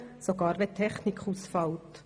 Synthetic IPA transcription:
soɡɑːɾʋet̪ʰɛχnikχusfɑlt

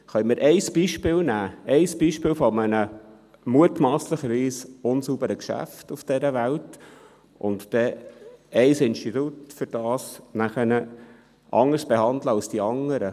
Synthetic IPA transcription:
χœʏmɪɾʔɛɪsb̥iːʃpɪːlnæːɛɪsb̥iːʃpɪːlfɔmənə | muətmɑːsləχəɾʋiːsʊnsubəɾəkʃæ̰ftʊfd̥ɛɾəʋælt | ʊ̰ntd̥ɛ | ɛɪsɪnʃtitutfʏɾd̥ɑːsnæχənə | ʔɑŋəɾsb̥ehɑnd̪ləɑlsd̥iɑŋːəɾə

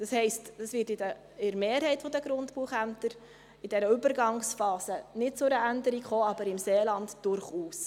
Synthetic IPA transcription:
d̥ɑshɛɪstd̥ɑsvɪtɪdə | ɪɾmeːɾɦɛɪtfɔdəɡɾʊndbuəχæmtəɾ | ɪd̥ɛɾəʏbəɾɡɑŋsfɑːsənɪt̚t͡sʊɾəændəɾikχoːɑbəɾɪmseːlɑntd̥ʊɾχuːs

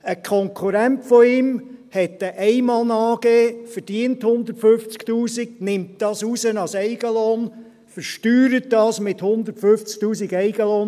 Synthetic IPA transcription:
əkʰɔŋkʰχuɾæntfɔɪmhɛtːəʔɛɪmɑːlnɑːɡeːfəɾdiənthʊnd̪ətføft͡sktuːsiɡ̚nɪmt̚d̥ɑːsusənɑsɛɪɡ̥əloːn | fəɾʃtyːɾət̚dɑːsmɪthʊnd̪əɾtføft͡sk̚tuːsiɡɛɪɡəloːn

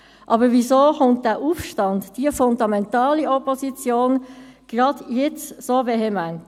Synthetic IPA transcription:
ʔɑbəʋizoːχʊnt̚d̥æːʔuːfʃtɑndd̥iəfʊndɑmɛntɑːliɔpɔsit͡sjoːnɡ̥ʁɑdjɛt͡ssoːveɦɛmænt

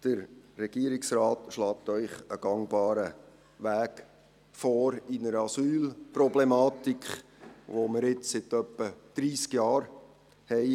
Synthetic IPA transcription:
d̥əɾːɛɡ̥iəɾɪksrɑːtʃlɑːt̪œʏχəɡ̥ɑŋbɑːɾə | ʋæːk | fɔːɾinəɾəɑsyːlprɔblɛmɑːt̪ikχʋoməɾɪt͡ssɪt̪œpːəd̥ɾiːskjɑːɾ | hɛɪ

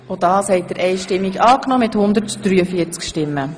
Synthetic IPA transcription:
odɑːshɛɪt̚d̥əɾʔɛɪʃtɪmːiɡɑːknɔːmɪthʊnd̪əɾtd̥ɾyːəfiəɾt͡skʃtɪmːə

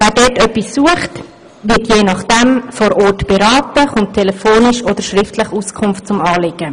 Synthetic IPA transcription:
vɛːɾdɛtœpːisːuəχt | vɪtjeːnɑχd̥ɛmfoɾʔɔːrtb̥ɛɾɑːtəχʊnttʰːɛlɛfoːnɪʃod̥̪əɾʃɾɪftʰləχuskʰʊmft̚t͡sʊmɑːlɪɡ̥ə

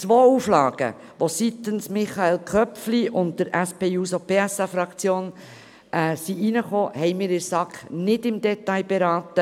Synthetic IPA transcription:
t͡sʋoːuflɑːɡ̥ə̰ | ʋosit̪ənsmɪχɑelkʰœfliʊnd̚d̥əɾæspeːuːsopeːæsɑfɾɑkt͡sjoːn | ʔɛsiʔinəχoːhɛɪmɪːɾɪɾsɑkχnɪdɪmd̪ɛtɑjbeɾɑːt̪ə

